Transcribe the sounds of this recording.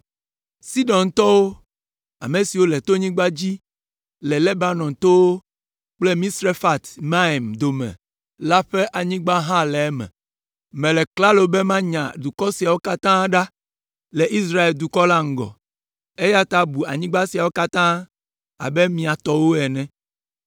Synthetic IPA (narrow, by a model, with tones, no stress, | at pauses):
si˦ɖɔ̃˨nt̪ɔ˦wo˦ | a̰˨mẽ˨si˨wo˦lɛ˨t̪o˦ɲĩ˦ɡ͡ba˦d͡ʑi˦ | lɛ˨le˦ba˦nɔ̃˨nt̪o˦wo˦ | k͡ple˦mĩ˦sɾe˦fa˨t̪mã˦e˨md̪o˨mɛ̰̃˨ | la˦ɸe˦ʔa˨ɲĩ˦ɡ͡ba˦ɦã˦lɛ˨ɛ˦mɛ̰̃˨ | mɛ̃˨lɛ˨kla˦lo˨be˦mã˦ɲã̰˨d̪u˨kɔ˦si˨a˨wo˦ka˦t̪ã˦ɖa˦ | lɛ˨ʔi˦sɾa˦e˨ld̪u˨kɔ˦la˦ŋ̩˦ɡɔ̰˨ | e˦ja˦t̪a˦bu˨a̰˨ɲĩ˦ɡ͡ba˦si˨a˨wo˦ka˦t̪ã˦ | a̰˨bɛ˦mĩ˨a˨t̪ɔ˦wo˦ɛ˨nɛ̃˦˨